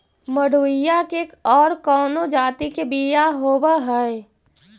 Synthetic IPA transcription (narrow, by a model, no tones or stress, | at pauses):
məɽuːɪjakekɔːɾkɔːnod͡ʒaːt̪ikebijaɦoːwaɦɛe